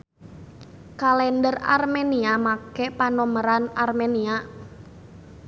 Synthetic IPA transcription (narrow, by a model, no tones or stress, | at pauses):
kalɛndəra̰rmeniamakɛpanɔməɾanarmenia